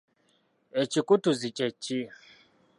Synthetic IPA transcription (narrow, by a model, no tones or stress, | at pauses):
ɛt͡ʃikutuzit͡ʃʼɛt͡ʃi